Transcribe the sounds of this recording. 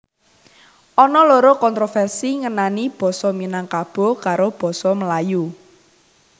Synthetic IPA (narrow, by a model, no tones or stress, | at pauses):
ʔɔnɔloɾokɔnt̪ɾofɛrsiŋənanib̥ɔ̤sɔminaŋkab̥ɔ̤kaɾob̥ɔ̤sɔməlaju